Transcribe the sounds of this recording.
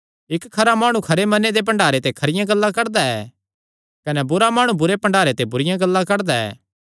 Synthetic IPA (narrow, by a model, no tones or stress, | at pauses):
ɪkkʰːɐɾamaːɽ̃ũkʰɐɾemɐned̪ep̬ɐ̃ɳɖaːɾet̪ekʰɐɾɪjãɡɐlːakɐɾd̪aɛː | kɐnɛbʊɾamaːɽ̃ũbʊɾepɐ̃ɳɖaːɾet̪ebʊɾɪjãɡɐlːãkɐɾd̪aɛ̰ː